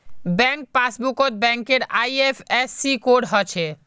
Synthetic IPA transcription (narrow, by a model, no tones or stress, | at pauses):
bɛ̃ŋk̚pasbukot̪̚bɛ̃ŋkeɾajepʰesːikoɖɦɔt͡ʃʰe